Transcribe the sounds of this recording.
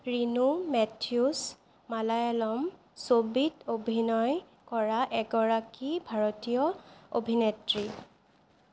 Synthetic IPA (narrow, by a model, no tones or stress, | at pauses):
ɹinumɛtʰius | malajɛlɔm | sobidobʱinɔj | kɔɹaʔɛɡɔɹakibʱaɹotijɔo̰bʱinetɹi